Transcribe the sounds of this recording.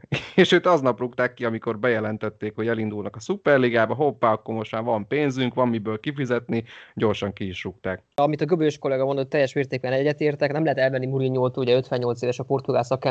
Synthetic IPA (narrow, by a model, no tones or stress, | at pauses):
eːʃøːt̪ɒznɒprukt̪aːkːiɒmiko̞rbɛjɛlɛnt̪ɛt̪ːeːkho̞ɟɛlind̪ulnɒkɒsupɛrliɡaːbɒɦopːaːɒkːormo̞ʃt̪maːɾvɒmpeːnzyŋkʋɒmmibøːlkifizɛt̪niɟo̞rʃɒŋkiːʃrukt̪aːkɒmit̪ɒɡøbøʃko̞lɛɡɒmo̞nd̪o̞t̪ːɛjːɛʃmeːrt̪eːɡ̚bɛnɛɟːɛt̪eːrt̪ɛknɛmlɛɦɛt̪ɛlvɛnːimuɾiɲːolt̪uːuɟɛøt̪ʋɛɲɲo̞lt̪seːvɛʃɒpo̞rt̪uɡaːsɒka